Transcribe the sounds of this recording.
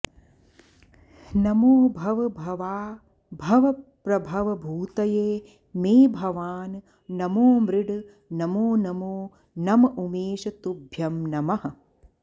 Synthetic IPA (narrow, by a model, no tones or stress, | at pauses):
nɐmoːbʱɐʋɐbʱɐʋaː | bʱɐʋɐpɾɐbʱɐʋɐbʱuːt̪ɐjeː | meːbʱɐʋaːn | nɐmoːmɾɪɖ | nɐmoːnɐmoː | nɐmɐʔumeːʃɐt̪ubʱjɐmnɐmɐɦɐ̆